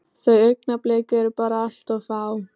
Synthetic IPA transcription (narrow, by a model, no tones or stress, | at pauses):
θajœknapleːkʏɾpaːɾaaɬt̪ɔfaːw